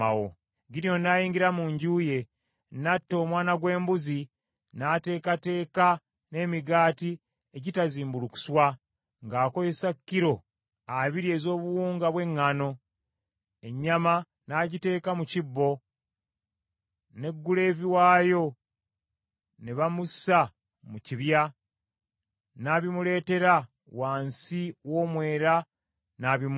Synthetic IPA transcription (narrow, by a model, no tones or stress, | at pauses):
awo̰ | ɡinjo̞nːajiːŋɡiɾamuɲɟuːje̞ | natːo̞ːmwaːnaɡwe̞ːmbuzi | nate̞ːkate̞ːka | ne̞ːmiɡaːti | eɟitaziːmbuluku̥swa | ŋɡaːko̞jesakːiɾo̞ | aβiɾie̞ːzo̞ːβuwuːŋɡaβwe̞ŋːano̞ | e̞ɲːama | naːɟite̞ːkamucibːo̞ | ne̞ɡːule̞ːviwaːjo̞ | neβamusa | muciβja | naːβimule̞ːte̞ɾa | waːnsiwo̞ːmwe̞ːɾa | naːβim